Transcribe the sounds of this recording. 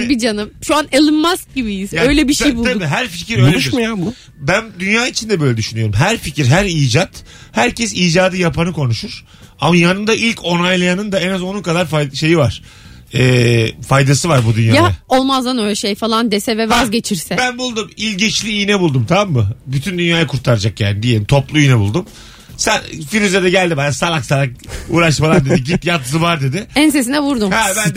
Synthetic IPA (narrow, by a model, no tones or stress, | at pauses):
bid͡ʒanɯmʃuanelˠɯnmask̚ɟibijizaø̞jlʲɛbiʃejbulʰdabiːɦæɾficʰiɾøjonlʲueʃiɾmajambu | bænd̪ynjaːit͡ʃʰind̪ɛbø̞jlʲɛd̪yʃynyjoɾumɦæɾficiɾɦæɾiːd͡ʒat̪ | hæɾcʰɛsiːd͡ʒaːd̪ɯjapʰanɯkʰo̞nuʃuɾ̥ | amajanɯnd̪aʔilʲcʰo̞najlˠajanɯnd̪aenazo̞nunkad̪aɾfajʃe̞jivaɾ̥ | ɛːfajd̪asɯvaɾbud̪ynjajaːaolˠmazd̪anøjlʲɛʃejfalˠand̪esɛvɛvazɟe̞t͡ʃʰiɾsɛbænbulˠd̪umilʲɟit͡ʃlʲiːjnɛbulˠd̪umt̪ʰamamːɯbyt̪ʰynd̪ynjaːjakʰuɾt̪ʰaɾad͡ʒakja̰ːnid̪ijelʲmt̪ʰo̞plˠuijinɛbulˠd̪um | sænfiɾyzed̪ɛɟælʲd̪ibanasalˠaksalˠak̚uːɾaʃmalˠamd̪e̞d̪iɟipjat̪zɯvaɾd̪e̞d̪ɪænses̬inɛvuɾd̪umhɛbæn